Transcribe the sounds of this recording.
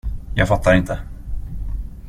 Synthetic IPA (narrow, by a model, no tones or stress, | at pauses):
jɑːɡfat̪ʰːaɾɪnt̪ʰə